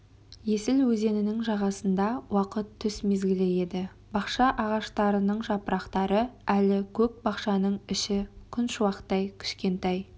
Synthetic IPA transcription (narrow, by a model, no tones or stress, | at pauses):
je̞sɪlwɵze̞nɪnɪŋʒɑʁɑsənd̪ɑwɑqət̪ʰːʏsme̞zɡʲɪleje̞d̪ɪ | bɑqʃɑʔɑʁɑʃt̪ɑɾənəɴʒɑpəɾɑqt̪ɑɾəælɪkʲʰɵp̚bɑqʃɑnəɴɪʃɪkʲʰʏnʃʊwɑqə̥t̪ːɑjkʲʰɪ̥ʃkʲe̞nt̪ɑj